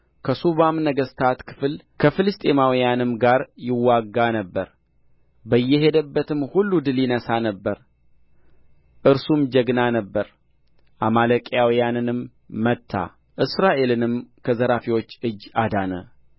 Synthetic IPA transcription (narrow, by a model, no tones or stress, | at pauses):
kʰəsuβamnəɡəst̪ʰat̪kʰɨ̥fl | kʰəfɨlɨst̪ʼemawijanɨmɡaɾjɪwːaɡːanəbːəɾ | bəjːɛɦe̞d̪əbːət̪ʰɨmhulːud̪ɨlinəsanəbːəɾ | ʔɨɾsumd͡ʒəɡnanəbːəɾ | ʔamaləkʼjawijanɨnɨmː | ət̪ʰːa̰ | ʔɨsɾaʔe̞lɨnɨmkʰəzəɾafiwo̞t͡ʃːɨd͡ʒːad̪anə̰